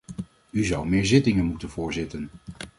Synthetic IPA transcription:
yzʌwmɪːɹzɪtɪŋənmutənvʊːɹzɪtən

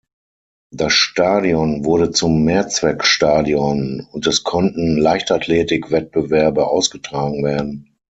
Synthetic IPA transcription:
d̥asʃtaːdiɔnvʊɐɾət͡sʊmːeːɐt͡sv̥ɛkʃtaːdiɔnʊntɛskʰɔntn̩laɪçtatʰleːtɪkv̥ɛt̚b̥əvɛɐbəʔaʊsɡ̥ətʁ̥aːɡŋ̩veːɐdn̩

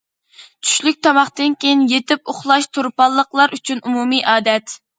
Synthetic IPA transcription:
t͡ʃʰy̥ʃlyk̚ʲt̪ʰɑmɑχt̪ɨnkʲejinjet̪ɪp̚oχlˠɑʃt̪ʰoɾpɑlˠːəqlˠɑɾʔyt͡ʃʰynʔumumijʔɑːd̪ɛt̪

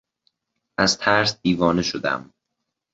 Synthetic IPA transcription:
ʔæzt̪ʰæɾsd̪̥iːvɒːneʃod̪æ̰m

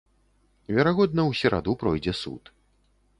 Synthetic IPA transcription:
vʲɛɾaɣɔd̪nɐwsʲɛɾa̰d̪upɾɔjd͡zʲɛsṵt̪

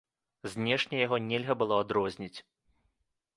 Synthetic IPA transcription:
zʲnʲɛʂnʲɛjaɣɔnʲɛlʲɣɐbɨlˠɔad̪ɾɔzʲnʲit͡sʲ

